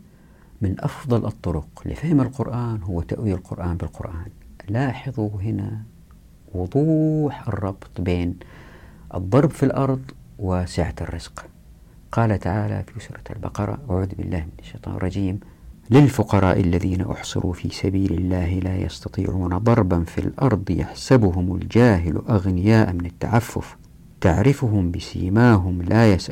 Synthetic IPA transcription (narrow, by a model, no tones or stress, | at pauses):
mɪnʔɑfðˤɑlʔɨt̪ˤːʊɾʊqlɪ̰fahɪmalqʊɾʔaːnɦʊwːat̪aʔwijalqʊɾʔaːnbɪlqʊ̰ɾʔaːnlaːħɨðˤuɦɪna | wʊd̪ˤuːħʔɨ̰rˤːɑbt̪ˤbeːn | ʔɨ̰d̪ˤːɑɾˤbfilʔɑɾˤðˤ | wɪsɪʕat̪ɪrːɪz̥q | qɑːlat̪aʕaːla̰fiʔʊsɾˤɑa̰lbɑ̰qɑɾˤɑ̰ʔaʕuːðbɪ̰lːaːhmɪnaʃːejt̪ˤɑ̰ːnrˤɑd͡ʒiːmlɪlfʊqɑɾˤɑ̰ːʔɪlːaðiːna̰ʔʊ̰ħsˤɪ̰ɾʔṵfiːsabiːlɪlːaːɦlaːjɑ̰st̪ɑt̪ˤḭːʕuːnad̪ˤɑɾˤbanfḭlʔɑɾˤd̪ˤja̰ħsabʊɦʊma̰ld͡ʒaːɦɪlʔaɣnɪjaːʔmɪnat̪ːa̰ʕafːʊ̰f | t̪aʕɾɪfʊɦʊmbɪsɪ̰ːmaːɦʊmlʔajasʔ